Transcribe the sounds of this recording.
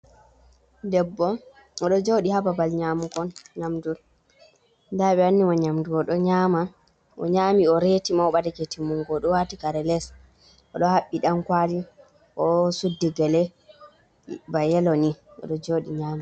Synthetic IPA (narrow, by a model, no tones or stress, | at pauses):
dɛbːɔ | ɔɗɔd͡ʒoɗihababalɲamukɔnɲamduɾ | ndaɓɛanːimaɲamduɾɔɗɔɲama | ʔɔ̰ɲamiɔɾetimaɔɓadaketimuŋɡɔɗɔwatikaɾɛlɛs | ɔɗɔhaɓːiɗamkwadi | ʔɔsudːɛɡɛlɛ | bajɛlɔniʔɔ̰ɗɔd͡ʒoːɗiɲaːma